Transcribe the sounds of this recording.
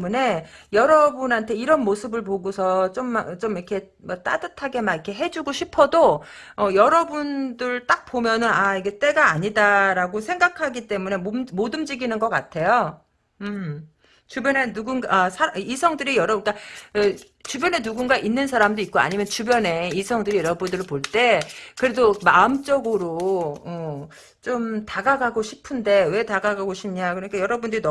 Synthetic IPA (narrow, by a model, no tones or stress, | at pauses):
une̞jʌɾʌbunɦantʰe̞iɾʌnmosʰɯbɯɭp̬oɡosʰʌt͡ɕomːt͡ɕomiɾkʰe̞ | mat͈a̰dɯtʰaɡe̞maikʰe̞ɦe̞d͡ʑuɡoɕʰipʰʌdo | ʌjʌɾʌbundɯɭt͈ak̚p͈omjʌnɯnaiɡe̞t͈e̞ɡaːɲidaɾaɡosʰe̞ŋɡakʰaɡit͈e̞mune̞mommodɯmd͡ʑiɡinɯnɡʌk͈a̰tʰe̞jo | ɯm | t͡ɕubjʌne̞nuɡunɡaasʰaɾisʰʌŋdɯɾijʌɾʌbk͈a | t͡ɕubjʌne̞nuɡunɡaʔinːɯnsʰaɾamdoik̚k͈oa̰ɲimjʌnt͡ɕubjʌne̞isʰʌŋdɯɾijʌɾʌbundɯɾɭpoɭt͈e̞kɯɾe̞domaɯmt͡ɕ͈ʌɡɯɾoʌ | t͡ɕomtaɡaɡaɡoɕʰipʰɯnde̞we̞taɡaɡaɡoɕʰimɲakɯɾʌɲik͈ajʌɾʌbundɯɾin